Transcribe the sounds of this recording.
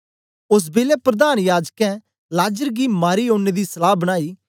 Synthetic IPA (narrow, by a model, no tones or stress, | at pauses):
ʊs̬beːlepɾɐd̪aːnjaːd͡ʒkɛ̃ | laːd͡ʒəɾɡimaːɾioːneːd̪isɐlaːɦbɐñaːiː